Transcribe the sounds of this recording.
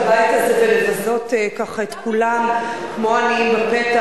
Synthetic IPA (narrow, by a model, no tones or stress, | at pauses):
bajt̪azevelevazo̞tekaχaet̪kulamkmoanimbapet̪a